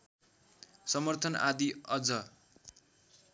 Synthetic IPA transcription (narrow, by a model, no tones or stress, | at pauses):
sʌmʌrt̪ʰʌna̰d̪iʌd͡zʌ